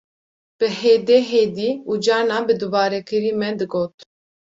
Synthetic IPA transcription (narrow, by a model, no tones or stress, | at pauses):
b̥ɨheːd̪eːɦed̪iːud͡ʒɑːnɑːbɨd̪ubɑːɾɛkʰɨɾiːmɛd̪ɨɡoːt̪